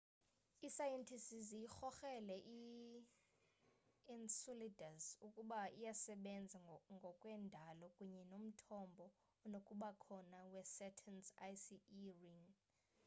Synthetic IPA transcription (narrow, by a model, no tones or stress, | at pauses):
isajɛntʰisizijixɔxɛlɛʔi | insulidʱazukʼuɓaijasɛɓɛnd͡zʱaŋɡʱɔkʼwɛndʱalɔkʼuɲɛnom̩tʰɔmbʱɔ | nokʼuɓakʰɔnawɛsɛtʰɛnsajsiiriŋ